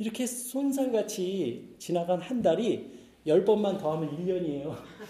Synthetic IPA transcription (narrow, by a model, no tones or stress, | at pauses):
iɾʌkʰe̞sʰons̬ʰanɡat͡ɕʰit͡ɕinaɡanhandaɾi | jʌɭp͈ʌmːantʌɦamʌniʎːʌɲie̞jo